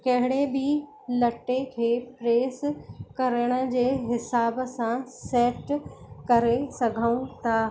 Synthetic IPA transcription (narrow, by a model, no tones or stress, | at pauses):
kɐɦɪɽ̃ebɪ | lɐʈːekʰeːpɾeːskɐɾəɽ̃ə̆d͡ʑeːɦɪsaːbsãseːʈkɐɾesɐɡʱəũt̪ʰaː